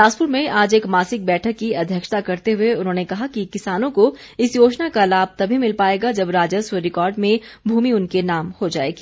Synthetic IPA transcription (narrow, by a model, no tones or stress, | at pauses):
ʈaːspʊɾmẽʔaːd͡ʒeːkmaːsɪk̚bɛːʈʰəkːiɐd̪ʱjəkʃt̪akɐɾt̪eɦʊeʊnɦõːnekɐɦakikɪsaːnõko | ɪsjoːt͡ʃnakalaːb̚ʱt̪ɐbʱimɪlpaːeːɡad͡ʒɐbɾaːd͡ʒəsweɾɪkɔːɾɖmẽbʱuːmiʊnkenaːmhod͡ʒaːḛːɡiː